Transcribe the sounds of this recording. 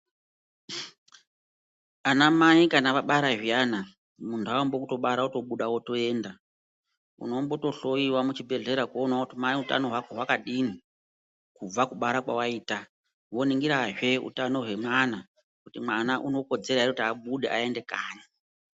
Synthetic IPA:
anamaikanaʋaɓaɾaʒijana | muntʰuawombo̞kuto̞ɓaɾaoto̞ɓuɗawo̞to̞e̞ːnda | ṵno̞mbo̞to̞ɬo̞iwamut͡ʃibʱe̞ɮe̞ɾakuo̞nwakutimaiuta̰no̞ɦwakoɦwakaɗini | kub͡vakuɓaɾakwawaiːta | wo̞niŋɡiɾaʒe̞ṵtano̞ɦwe̞mwana | kutimwanaʔuno̞ko̞d͡ze̞ɾaiɾekutiaɓuɗeʔae̞nde̞ka̰ːɲa

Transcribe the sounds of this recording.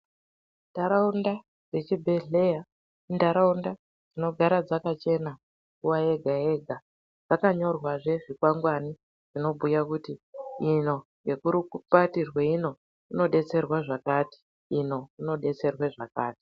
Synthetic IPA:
ndaɾaunda | d͡zet͡ʃibʱe̞ɮe̞ja | ndaɾaunda | d͡zino̞ɡʱaɾad͡zakat͡ʃe̞na | kuwae̞ɡʱae̞ɡʱa | d͡zakaɲo̞rwaʐe̞ʐikwaŋɡwani | ʐino̞bʱujakutiino̞ŋɡe̞kuɾikupatirweino̞ | ino̞ɗe̞t͡se̞rwaʐakaːti̥ː | no̞ino̞ɗe̞t͡se̞rweʐakaːti̥

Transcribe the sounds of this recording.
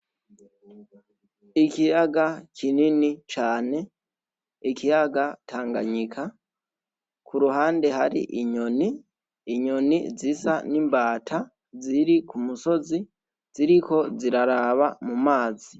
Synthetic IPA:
ikijaɡakʰininit͡ʃaːne̞ | ikijaɡatʰaːŋɡa̰ɲikʰa | kuɾuɦaːnde̞ɦaɾḭʔiɲo̞niː | ɲo̞nḭzisanimbaːtʰa | ziɾikumuso̞zi | z̥iɾiko̞ziɾaɾaβamumaːzi

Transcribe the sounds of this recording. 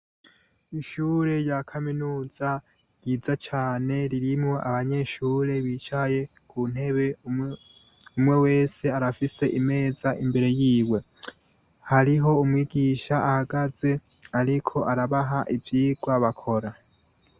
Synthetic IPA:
iʃuːɾe̞jakʰaminuːz̥a | j̥iːzat͡ʃaːne̞ɾiɾimŋo̞ʔaβaɲe̞ʃuːɾe̞βiːt͡ʃaje̞kʰun̥he̞βe̞ | umŋe̞we̞ːse̞aɾafise̞ʔime̞ːzaʔimbe̞ɾe̞jiːwe̞ | haɾiɦo̞umwiːɡiːʃaʔahaɡaze̞ | aɾikʰo̞ʔaɾaβaɦaʔivjiːɡwaβakʰo̞ɾa

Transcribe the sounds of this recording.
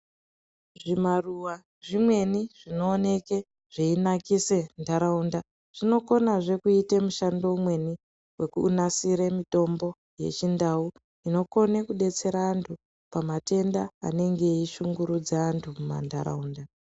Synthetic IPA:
ʐimaruwa | ʐimwe̞niʐ̥ino̞ːne̞ke | ʐ̥iinakise̞ndaɾaunda | ʐ̥ino̞ko̞naʐe̞kuitemuʃando̞umwe̞ni | we̞kuːnasiɾemito̞mbo̞ | je̞̰t͡ʃindau | ino̞ko̞nekuɗe̞t͡se̞ɾaːntʰu | pamate̞nda̰ːne̞ŋɡe̞iʃuŋɡuɾud͡zaːntʰumuma̰nda̰ɾa̰uːnda

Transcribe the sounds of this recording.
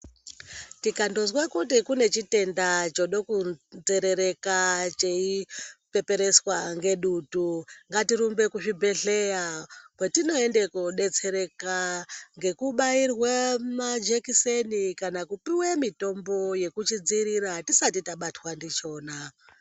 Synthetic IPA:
tikando̞zwakutikune̞t͡ʃite̞ndat͡ʃo̞ɗo̞kund͡ze̞ɾe̞ɾe̞kat͡ʃeipe̞pe̞ɾe̞swaŋɡe̞ɗutuŋɡatiɾumbe̞kuʐibʱe̞ɬe̞jakwetino̞e̞nde̞kuɗe̞t͡se̞ɾe̞kaŋɡe̞kuɓairwemad͡ʒekisenikanakupiwemito̞mbo̞je̞kut͡ʃid͡ziɾiɾatisatitaɓatwandit͡ʃo̞ːna

